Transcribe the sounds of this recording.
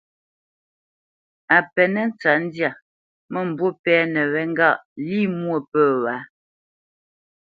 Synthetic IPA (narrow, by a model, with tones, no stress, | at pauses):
a˨pɛ˨nɛ˦n˦t͡sa˨n̩˦dja˨ | mə˦m̩˨bwo˦pɛː˨˦nɛ˨wɛ˨ŋ˦ɡa˦˨ʔliː˦˨mwo˨pəː˦˨wa˨˦